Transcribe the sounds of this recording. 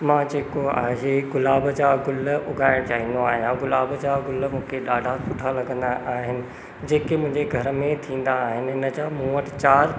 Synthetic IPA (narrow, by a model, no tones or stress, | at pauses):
mãːd͡ʑeːkoa̰ːɦeɡʊlaːbd͡ʑaːɡʊlʊɡʱaːɪɽ̃t͡ɕaːɦĩːnd̪oaːɦɪjãɡʊlaːbd͡ʑaɡʊlmũːkʰeɗaːɖʱasʊʈʰalɐɡə̃nd̪aʔaːɦɪnɪ̆ | d͡ʑeːkemʊ̃ɦɪ̃ɲd͡ʑeɡʱɐɾmẽt̪ʰĩːn̆d̪aːɦɪnɪ̆ɪnə̆d͡ʑaːmũːəʈt͡ɕaːɾ